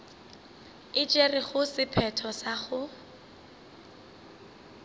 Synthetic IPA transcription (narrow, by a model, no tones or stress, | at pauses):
ɪt͡ʃʼerɪχʊsɪpʰɛtʰɔsaχʊ